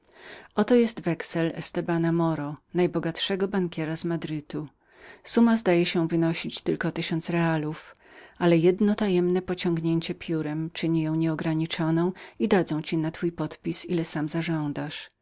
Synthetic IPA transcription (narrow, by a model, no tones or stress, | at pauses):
ɔt̪ɔjɛst̪vɛksɛlɛ̰st̪ɛbanamɔɾɔnajbɔɡat̪ʂɛɡɔbaŋkʲɛɾazmad̪ɾɘt̪u | sumazd̪ajɛɕɛvɘnɔɕit͡ɕt̪ɘlkɔt̪ɘɕɔnt̪sɾɛaluf | ʔalɛjɛd̪nɔt̪ajɛmnɛpɔt͡ɕɔ̃ŋɡɲeɲt͡ɕɛpʲjuɾɛmt͡ʂɘɲijɔ̃w̃ɲɛɔɡɾaɲit͡ʂɔnɔ̃w̃id̪ad̪zɔ̃w̃t͡ɕinat̪fujpɔt̪pʲisilɛsamzaʐɔ̃nd̪aʂ